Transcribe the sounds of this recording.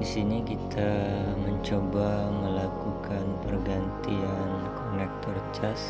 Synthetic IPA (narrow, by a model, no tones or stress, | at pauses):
disinikit̪ʰaməɲt͡ʃobaməlakukanpərɡant̪iankonɛk̚t̪ɔrt͡ʃas